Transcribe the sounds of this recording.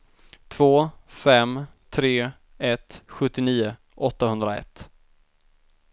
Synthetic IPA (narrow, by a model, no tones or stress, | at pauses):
t̪ʰv̥oːfɛmt̪ʰɾeː | ɛt̪ɧɵt̪ːɪniːʊ | ʔɔt̪ːahɵnd̪ɾaɛ̰t̪ː